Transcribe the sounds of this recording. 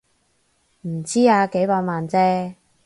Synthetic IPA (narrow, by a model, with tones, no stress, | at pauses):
m̩˨˩t͡siː˥aː˨˧ke˨˥jpaː˧˥t̚maː˨nt͡sɛː˦˥